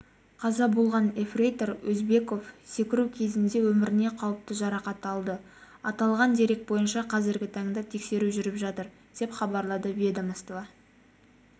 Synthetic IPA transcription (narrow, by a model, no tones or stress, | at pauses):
qʰɑzɑbo̞lˠʁɑne̞frejt̪oɾwɵzbe̞ko̞fse̞kʲɪɾukʲʰe̞zɪnd̪e̞wɵmɪɾɪne̞qʰɑwəp̚t̪əʒɑɾɑqɑt̪ɑlˠd̪ə | ɑt̪ɑlˠʁɑnd̪e̞ɾe̞k̚t̪̚bo̞jənʃɑqʰɑzɪɾɡʲɪt̪ʰɑŋd̪ɑt̪ʰe̞kse̞ɾuʒʏɾɪpʒɑt̪əɾ | d̪̥e̞pχɑbɑɾlˠɑd̪əbe̞d̪amɑst̪ovɑ